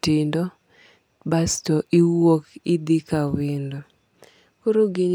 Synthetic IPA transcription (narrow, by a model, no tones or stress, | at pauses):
tɪndɔ | bastɔʔiwokɪd̪ɪkawɪndo | koɾoɡɪɲ